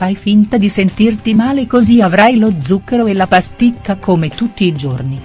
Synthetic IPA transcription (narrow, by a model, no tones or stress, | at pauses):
ajfint̪ad̪isent̪irt̪imaːlekoziavɾajlod̪zːukːeɾoelːapast̪ikːakʰomet̪ut̪ːiːd͡ʒorni